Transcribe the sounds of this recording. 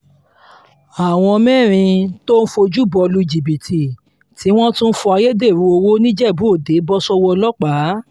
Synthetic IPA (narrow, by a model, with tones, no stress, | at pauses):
a˨w̃ɔ̃˧mɛ̃ː˦˨ɾ̃ĩ˧to˦n̩˦fo˧d͡ʒu˦bɔ˧lu˧˦i˨d͡ʒi˨bi˨tʰi˨ | tʰi˨˦w̃ɔ̃˦tũ˦n̩˦fɔ˧a˧je˦de˦˨ɾu˨˦o˧wo˦nĩ˦d͡ʒɛ˦˨bũ˨˦o˦˨de˨˦bɔ˦sɔ˦wɔ˧lɔ˦k͡pa˨˦